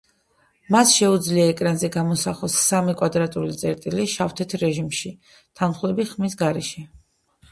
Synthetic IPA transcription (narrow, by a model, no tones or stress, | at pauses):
masʃɛud̪zliaɛkʼɾanzɛɡamɔsaχɔsːamikʼwad̪ɾat̪ʼulit̪sʼɛɾt̪ʼiliʃaft̪ʰɛt̪ʰɾɛʒimʃi | t̪ʰanχlɛbiχmis̬ɡaɾɛʃɛ